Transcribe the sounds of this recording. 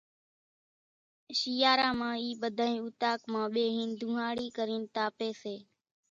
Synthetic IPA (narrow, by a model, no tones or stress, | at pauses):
ʃiːaːɾãːmãːiːɓəd̪ʱaːĩːuːt̪aːkmãːɓeːɦiːnd̪ʱũːɦaːɽiːkəɾĩːnt̪aːpeːseː